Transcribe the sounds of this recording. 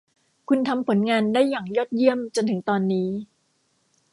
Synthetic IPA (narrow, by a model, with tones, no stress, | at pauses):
kʰu˧nt̪ʰa˧mpʰo˩˦nŋaː˧ndaː˥˩jːaː˨˩ŋjɔː˥˩t̪̚ji˥˩əmt͡ɕo˧nt̪ʰɯ˩˦ŋt̪ɔː˧nːiː˦˥